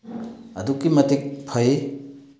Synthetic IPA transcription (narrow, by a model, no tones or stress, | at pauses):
ɐdukːimɐtik̚pʰɐje